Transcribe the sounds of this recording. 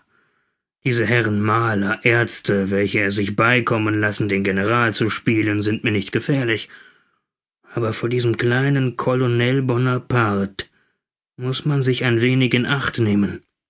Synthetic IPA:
d̥iːzəɦɛʁənmaːlɐʔɛɐt͡stəvɛlçəɛɐzɪçb̥aɪkʰɔmənlasn̩deːnɡenəʁ̞aːlt͡suʃpiːlənzɪntmiːɐnɪçtɡ̥əfɛːɐlɪç | ʔaːbɐfoːɐdiːzəmkl̥aɪnənkʰolonɛlbɔnɐpʰaʁt | mʊsmanzɪçaɪnveːnɪçɪnʔaχtneːmən

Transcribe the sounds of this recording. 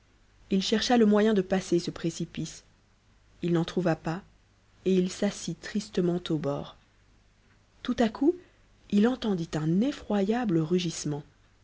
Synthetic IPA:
ilʃɛʁʃaləmwajɛ̃d̪əpasesəpχesipis | ilnɑ̃t̪χuvapa | eilsasit̪χist̪əmɑ̃t̪obɔ̰ːʁ | t̪ut̪akʰu | ilɑ̃t̪ɑ̃d̪it̪ɛ̃nefχwajabləʁyʒismɑ̃

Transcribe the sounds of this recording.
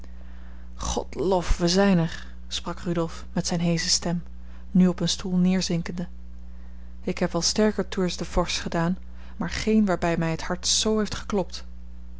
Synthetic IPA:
χɔ̰tlofʋəzɛjnəɹ | sprɑkrydɔlˠfmɛtsɛjnɦejzəstɛm | nyɔpənstulˠnɪːɹzɪŋkəndə | ɪkɦɛpʋɑlˠstɛɹkəɹtʰuɹzdəvɔɹsχədaːn | maːɹχejnʋaːɹbɛjmɛjɦəthɑɹtsowɦejftχə̥klɔpt

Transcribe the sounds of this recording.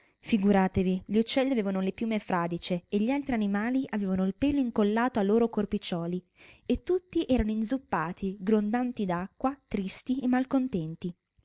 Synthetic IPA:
fiɡuɾaːt̪eviʎiut͡ʃːɛlːiaveːvanolepjuːmefɾaːd̪it͡ʃeːʎːialt̪ɾianimaːliʔaveːvanoilpɛːloiŋkolːaːt̪oalːoːɾokorpit͡ʃɔːli | et̪ːut̪ːiʔɛːɾanoind̪zupːaːt̪ʰiɡɾond̪ant̪id̪akːwat̪ɾist̪iemːalkont̪ɛnt̪i

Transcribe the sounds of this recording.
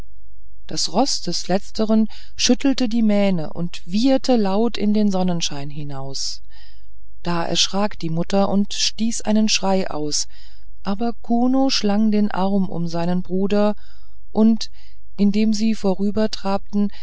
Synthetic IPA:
d̥asʁɔsd̥ɛslɛt͡stʰəʁən | ʃʏtl̩tədiːmɛːnə̰ʔʊ̰ntv̥iːɐtʰəlaʊtɪ̰ndeːnzɔnənʃaɪnɦɪnaʊs | d̥aːʔɛ̰ɐʃʁ̥aːkd̥iːmʊtɐʔʊntʃtiːsʔa̰ɪnənʃʁ̥aɪʔa̰ʊs | ʔaːbɐkʰuːnoʃlaŋdeːnʔa̰ʁɐmʔʊ̰mzaɪnənbʁuːdɐ | ʔʊnt | ʔɪndeːmziːfoːʁyːbɐtʁ̥aːp̚tn̩

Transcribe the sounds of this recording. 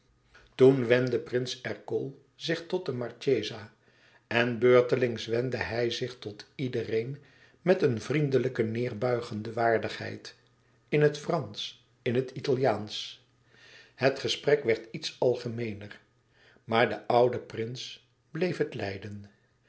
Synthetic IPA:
tunʋɛndəprɪnsɛɹkɔlˠ | zɪχtɔt̚dəmɑɹt͡ʃejzaː | ʔɛnbøːɹtəlɪŋsʋɛndəɦɛjzɪχtɔtidərejn | mɛtənvrindələkənɪːɹbœɥχəndəʋaːɹdəχɦɛ̰jt | ɪnɦətfrɑns | ɪnɦətitalˠjaːns | ɦətχəsprɛkʋɛɹtitsɑlˠχəmejnər | maːɹdəʔʌwdəprɪns | blejfɦətlɛ̰jdən

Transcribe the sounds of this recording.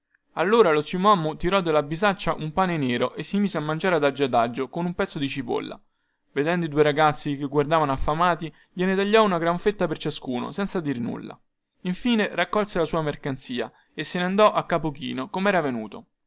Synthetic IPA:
alːoːɾalosimoamːot̪iɾɔd̪ːelːabizat͡ʃːaʔumpaːneneːɾoʔesːimiːzeamːand͡ʒaːɾead̪ad͡ʒːad̪ad͡ʒːokonumpɛt̪sːod̪it͡ʃipo̰lːa̰ | ved̪ɛnd̪oid̪uːeɾaɡat̪sːikeɡward̪aːvanoafːamaːt̪i | ʎenet̪aʎːɔunaɡɾaɱfet̪ːapert͡ʃaskuːno̰sɛnt̪sad̪irnṵlːa̰ | iɱfiːnerakːɔlselasuːamerkant̪siːa | esːeneand̪ɔʔakːapokḭːnokomɛːɾavenṵːt̪o

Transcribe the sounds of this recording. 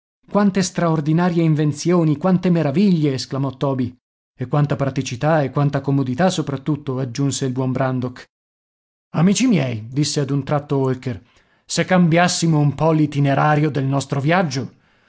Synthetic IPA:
kwant̪est̪ɾaord̪inaːɾjeiɱvent̪sjoːnikwant̪emeɾaviʎːeːsklamɔt̪ːɔːbi | ekːwant̪apɾat̪it͡ʃit̪aekːwant̪akomod̪it̪asːopɾat̪ːut̪ːoad͡ʒːunseilbwɔmbɾand̪ok | amit͡ʃimjɛjd̪isːead̪unt̪ɾat̪ːoolker | sekːambjasːimoumpɔlit̪ineɾaːɾjod̪elnɔst̪ɾovjad͡ʒːo

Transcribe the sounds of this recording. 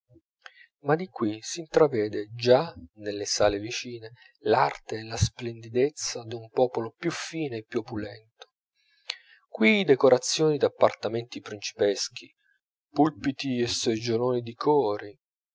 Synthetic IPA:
mad̪ikwisiːnt̪ɾavɛːd̪ed͡ʒanelːesaːlevit͡ʃiːne | lart̪eːlasplend̪id̪et̪sːad̪iumpɔːpolopjufiːnoepːjuopulɛnt̪o̥ | kwid̪ekoɾat̪sːjoːnid̪apːart̪ament̪ipɾint͡ʃi̥pɛsk̟ʰi | pulpit̪iesed͡ʒoloːnid̪ikʰɔːɾi

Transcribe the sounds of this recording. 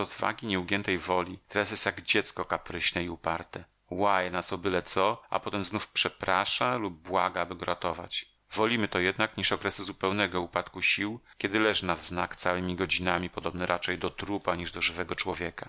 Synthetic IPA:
ɾɔzva̰ɡʲiɲɛuɡʲjɛnt̪ɛjvɔlʲit̪ɛɾas̬jɛst̪jaɡd͡ʑɛt̪skɔkapɾɘɕnɛiupaɾt̪ɛ | wajɛnasɔbɘlɛt̪sɔa̰pɔt̪ɛmznufpʂɛpɾaʂalub̚ːwaɡaabɘɡɔɾʔat̪ɔva̰t͡ɕ | vɔlʲimɘt̪ɔjɛd̪̚nakɲiʂɔkɾɛsɘzupɛwnɛɡɔupat̪kuɕiwkʲɛd̪ɘlɛʐɘnavznakt̪sawɘmʲiɡɔd͡ʑinamʲipɔd̪ɔbnɛɾʔat͡ʂɛjd̪ɔt̪ɾupaɲiʐd̪ɔʐɘvɛɡɔt͡ʂwɔvʲjɛka

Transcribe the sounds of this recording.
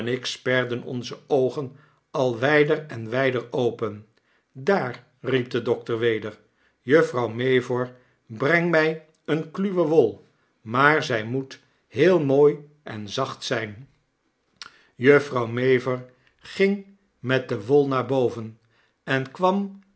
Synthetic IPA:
nɪkspɛɹdənɔ̰nzəowχən | ɑlˠʋɛjdərɛnʋɛjdəɹowpən | daːr | rip̚dədɔktəɹʋejdəɹ | jɵfrɑwmejvɔɹ | brɛŋmɛj | ənklyʋəʋolˠ | maːɹzɛjmut | ɦɪːlˠmoːj | ʔɛ̰nzɑχtsɛjn | jøfrɑwmejvəɹ | χɪŋ | mɛt̚dəʋolˠnaːɹbowvən | ɛnkʋɑm

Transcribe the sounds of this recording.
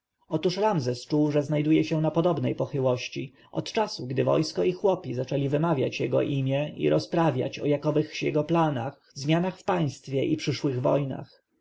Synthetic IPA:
ɔt̪uʂɾamzɛst͡ʂuwʐɛznajd̪ujɛɕɛnapɔd̪ɔbnɛjpɔxɘwɔɕt͡ɕi | ʔɔt̪t͡ʂasuɡd̪ɘvɔ̰jskɔixwɔpʲizat͡ʂɛlʲivɘmavʲja̰t͡ɕjɛɡɔ̰ʔimʲjɛḭɾɔspɾavʲja̰t͡ɕɔjakɔvɘxɕjɛɡɔplanax | zmʲjanaxfpaj̃st̪fʲjɛʔipʂɘʂwɘɣvɔ̰jna̰x

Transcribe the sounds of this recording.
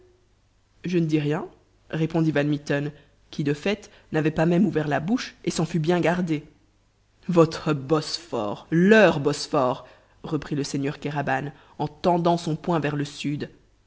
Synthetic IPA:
ʒənəd̪iʁjɛ̃ | ʁepɔ̃d̪ivanmit̪ɔn | kʲʰid̪əfɛt̪ | navɛpamɛmuvɛʁlabuʃesɑ̃fybjɛ̃ɡaʁd̪e | vɔt̪χəbɔsfɔ̰ʁlœʁbɔsfɔʁ | ʁəpχiləseɲœʁkaʁaban | ɑ̃t̪ɑ̃d̪ɑ̃sɔ̃pwɛ̃vɛʁləsyd̪

